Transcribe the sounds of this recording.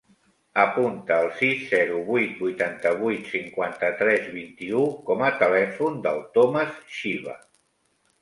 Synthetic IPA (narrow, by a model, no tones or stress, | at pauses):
əpunt̪əːlˠsisːɛɾuβujt̪̚bujt̪ant̪əβ̞ujt̪siŋkwant̪ət̪ɾɛzβint̪iukɔmət̪əlɛfund̪ə̰lˠt̪ɔməsʃiβə̰